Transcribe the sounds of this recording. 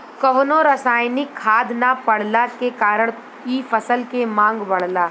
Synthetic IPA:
kɐʋnoɾɐsaːjnɪkʰːaːd̪napɐɽ̤lakekaːɾəɽ̃ | kifɐsəlkemãːŋɡbɐɽ̤laː

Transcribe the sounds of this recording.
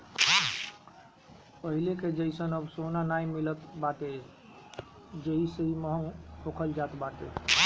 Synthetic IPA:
pəɦileked͡ʒəisənəbsonanaimilət̪bat̪e | d͡ʒəiseiməɦənhʰokʰəld͡ʒat̪bat̪ḛ

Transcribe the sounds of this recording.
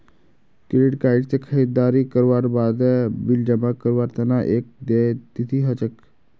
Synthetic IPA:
kiɾiʈkaiɖt͡sekʰəid̪ːaɾikəɾʋaɾbad̪bild͡ʑəmakəɾʋaɾt̪ənaʔek̚d̪et̪it̪ʰiɦət͡ɕək

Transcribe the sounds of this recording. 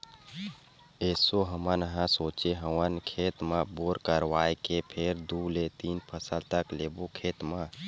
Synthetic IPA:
eːsoɦəmənəɦãsoːt͡ʃeɦəwənkʰeːt̪mãboːɾkəɾwaːekepʰeɾd̪ulet̪iːnpʰəsəlt̪əkleːbokʰeːt̪mã

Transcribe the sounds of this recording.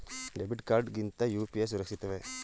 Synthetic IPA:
ɖebiʈkaːɾɖɡint̪ɐjuːpijes̬uɾɐkʂit̪ɐʋe

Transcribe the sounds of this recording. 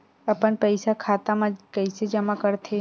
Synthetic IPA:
əpəɳpəjsakʰat̪amãkəjsed͡ʒəmãkəɾt̪ʰe

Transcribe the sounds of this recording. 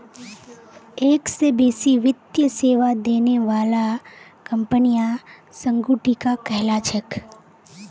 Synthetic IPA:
eːksebeːsiʋɪt̪jəseːʋad̪eːneʋaːla | kə̃mpənija | sə̃ŋɡuːʈikakɛɦlat͡ʃʰək

